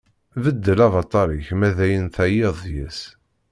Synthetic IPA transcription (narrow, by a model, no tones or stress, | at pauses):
vəd̪ːəlɑvɑt̪ˤːɑɾˤiçmæðæjənθæjeðˤjæs